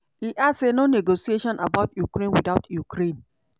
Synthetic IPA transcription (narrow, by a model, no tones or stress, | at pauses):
hiʔadsenoneɡosieʃɔ̃na̰baʊtjukɾẽnwidaʊtjukɾẽn